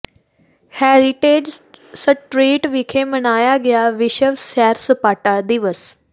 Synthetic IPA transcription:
hɛːɾiʈeːd͡ʒsəʈɾiːʈʋikʰemənaːjaɡɪjaʋɪʃəʋsɛːɾsəpaːʈad̪iʋəs

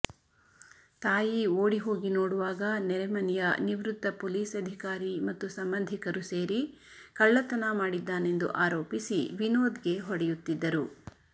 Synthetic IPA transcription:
t̪aːjioːɽiɦo̞ːɡinoːɽuʋaːɡɐnɛɾɛmɐnɛjɐniʋɾut̪ːɐpoːliːsɐd̪ʱikaːɾimɐt̪ːusɐmbɐnd̪ʱikɐɾuseːɾi | kɐɭːɐt̪ɐnɐmaːɽid̪ːaːnend̪ṵʔaːɾoːpisiʋinoːd̪ɡe̞ɦɔɽɛjut̪ːid̪ːɐɾu

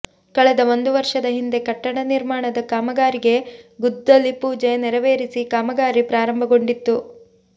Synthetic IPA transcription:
kɐɭɛd̪ɐond̪uʋɐɾʂɐd̪ɐɦind̪e̞kɐʈːɐɽɐniɾmaːɳɐd̪ɐkaːmɐɡaːɾiɡe̞ɡud̪ːɐlːipuːd͡ʒenɛɾɐʋeːɾisikaːmɐɡaːɾipɾaːɾɐmbʱɐɡo̞ɳɖit̪ːu

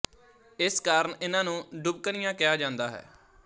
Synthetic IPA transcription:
ɪskaːɾəɳɪnãːnũːɖʊb̚kənɪjãːkɪjaːd͡ʒãːnd̪aːɦɛ̰ː

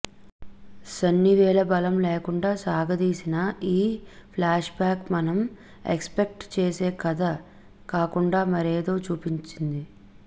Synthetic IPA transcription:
sɐnːiʋɛːlɐbɐlɐmleːkuɳɖaːsaːɡɐd̪iːsinɐiːpʰlaːʂbaːkmɐnɐm | ḛkspek̚ʈt͡ʃeːseːkɐd̪ɐ | kaːkuɳɖaːmɐɾeːd̪o̞ːt͡ʃuːpiɲt͡ʃind̪i

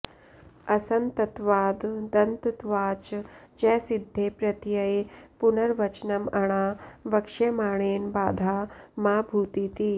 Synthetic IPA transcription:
ɐsɐnt̪ɐt̪ʋaːd̪d̪ɐnt̪t̪ʋaːt͡ʃd͡ʒɛːsid̪ʱːeːpɾɐt̪jɐjpunɐɾʋɐt͡ʃnɐmɐɳ̃aːʋɐkʂɐmaːɳ̃eːnbaːd̪ʱaːmaːbʱuːt̪it̪iː

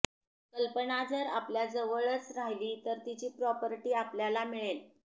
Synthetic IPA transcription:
kəlpənad͡zəɾa̰pljad͡zəʋəɭət͡sɾaɦiliːt̪əɾt̪it͡ɕiːpɾɔpəɾʈiːapljalamiɭel

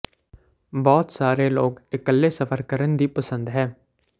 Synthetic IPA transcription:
bɔːt̪saːɾeːloːkɪkəlːeːsəfʰəɾkəɾənd̪iːpəsə̃nd̪ɦɛː

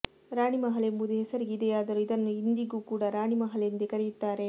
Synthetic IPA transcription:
ɾaːɳimɐɦɐlemud̪eɦɛsɐɾiɡid̪eaːd̪ɐɾuid̪ɐnːuind̪iɡuːkuːɽɐɾaːɳimɐɦɐleɐnd̪ekɐɾɛjut̪ːaːɾe̞

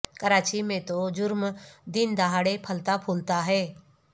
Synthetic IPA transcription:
kəɾaːt͡ʃimẽt̪od͡ʒʊɾmd̪ɪnd̪aɦaːɽepʰəlt̪apʰuːlt̪aɦɛː

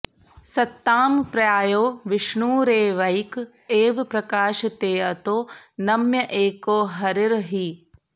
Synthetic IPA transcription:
sɐt̪ːaːmpɾɐjaːjoːʋɪʃɳuːɾeːʋɐjk | eːʋpɾɐkaːʃɐt̪eːɐt̪oːnɐmjɐʔeːkoːɦɐɾiɾɦi

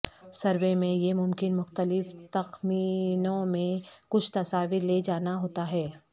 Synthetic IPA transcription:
sɐɾʋemẽjemʊmkɪnmʊxt̪əlɪft̪ɐxmiːnõmẽkʊt͡ʃʰt̪ɐsaːʋɪɾled͡ʒaːnaɦoːt̪aɦɛː

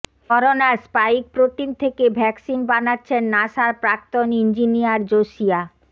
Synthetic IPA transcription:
ɔɾonaɾspaik̚pɾot̪int̪ʰekebʱɛksinbanatːɕʰenːaʃaɾpɾak̚t̪onind͡ʑinijaɾd͡ʑoʃia

